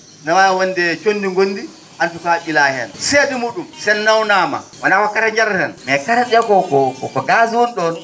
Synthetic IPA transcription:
nawajawɔndɛt͡ʃonːdiŋɡonːdi | ʔantukaɓilahɛ̰nseːdimuːɗumsɛnːawnaːma̰wanawakːataɲd͡ʒaɾɾɛnmɛkataɗɛɡɔkɔkɔkɔɡazwɔnɗɔn

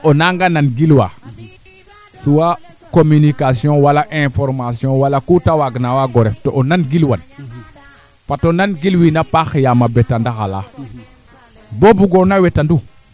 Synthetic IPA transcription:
onaŋɡananɡilwa | suwa | kominikasjɔ̃walaʔɛ̃foɾmasjɔ̃walakutawaɡnawaɡoɾeftoʔonanɡilwan | fatonanɡilwinapaxijamabetandaxala | bobuɡoɾnawetandu

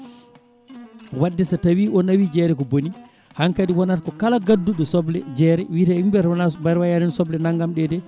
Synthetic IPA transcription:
wadːɛsatawiːʔɔnawid͡ʒɛɾɛkɔboni | haŋkadiwɔnatkɔkalaɡadːuɗɔsɔblɛ̰d͡ʒɛɾɛwitaimbɛɾnabaɾwajaɾinsɔblɛnaŋɡamɗɛdɛ

